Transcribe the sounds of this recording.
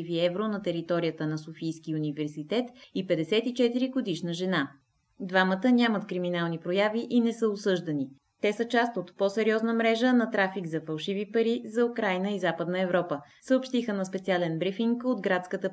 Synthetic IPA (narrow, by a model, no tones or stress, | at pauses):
iviɛvɾonɐt̪ɛɾit̪ɔɾijət̪ənɐsofijskiunivɛɾsit̪ɛt̪ipɛd̪ɛsɛt̪it͡ʃɛt̪iɾiɡod̪iʃnəʒɛna | d̪vamət̪ənʲamət̪kɾiminalˠnipɾojaviʔinɛsəosɤʒd̪ɐni | t̪ɛsət͡ʃast̪ot̪pɔsɛɾʲiɔznəmɾɛʒənɐt̪ɾafiɡzɐfɐlˠʃivipəɾizɐukɾajnəizapəd̪nəɛvɾɔpə | səopʃt̪ixənɐspɛt̪sialɛnbɾifiŋkod̪ɡɾat̪skət̪ə